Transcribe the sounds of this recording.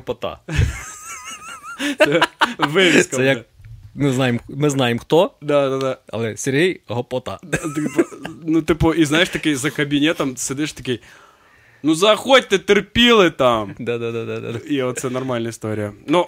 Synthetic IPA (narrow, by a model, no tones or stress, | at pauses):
pɔt̪a̰ | ʋɪʋʲɪsk̪ɛjɐk̚nʊznɑjemmɪznɑjemxt̪ɔd̪ad̪ad̪aɐ̰lˠɛsʲerɦijɦɔpɔt̪ɑ̰t̪nut̪ɪpʊʔiznajɪʂt̪ɐkɪjzɐkɐbʲinʲɛt̪ɐmsɨd̪ɪʂt̪ɐkɪj | nuzɐːxot̚ʲt̪ɪt̪ɪrpʲilˠɪt̪amd̪ad̪ad̪ad̪ad̪a̰iot̪sɛnɐrmalʲnɐɪst̪oɾʲɪjəno